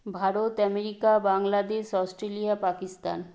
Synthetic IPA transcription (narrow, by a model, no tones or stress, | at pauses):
bʱaɾot̪ɛmeɾikabaŋlad̪eʃɔsʈɾelijapakist̪a̰n